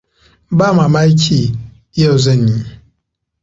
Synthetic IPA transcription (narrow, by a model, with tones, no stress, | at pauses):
ba˦˨ma˨ma˦i˦kʲʰi˦˨˦ | jo˦˨zə˦˨ni˨